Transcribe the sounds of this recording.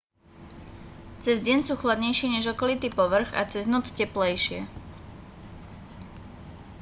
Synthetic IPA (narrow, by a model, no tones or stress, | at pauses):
t͡sɛzɟɛnsuːxlad̪ɲɛjʃɪɛɲɛʒɔkɔlit̪iːpɔʋr̩ɣa̰t͡sɛznɔt͡scɛplɛjʃɪɛ̰